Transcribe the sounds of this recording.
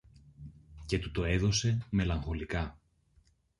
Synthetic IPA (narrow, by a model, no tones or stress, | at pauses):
ce̞t̪ut̪o̞e̞ðo̞se̞me̞lɐŋxo̞likɐ